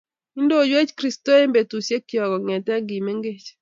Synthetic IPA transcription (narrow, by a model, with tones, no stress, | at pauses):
i˦ndo˦˨d͡ʒwe˦t͡ʃkɾi˦sto˦e˦mbe˨tu˨sje˦kjɔ˨ɡɔ˨ŋɛ˨tɛ˦ɡi˨me˦ŋɡe˦t͡ʃ